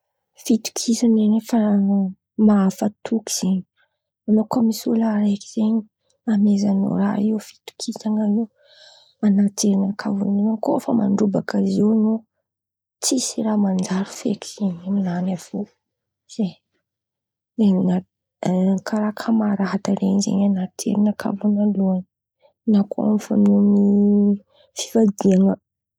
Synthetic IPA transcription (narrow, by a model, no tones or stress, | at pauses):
fit̪u̥kʰisanenefa | maafat̪ʰuki̥z̥eɲi | anokamisulaɾeki̥z̥eɲi | amezano̰ɾa̰iwfi̥t̪u̥kʰisaŋanu | anateɾinakʰavuneankofəma̰ɳɖ͡ʐubakaziwno | t͡sisiramand͡ʒaɾu̥fḛki̥z̥eɲiminanav̥o | z̥e | eɲna | kʰaɾakʰamaɾaɦat̪aɾenizḛɲanat̪ʰḛɾinəkʰa̰vunaluani | nakʰo̰a̰mfa̰mnuni | fi̥vad̪iaŋə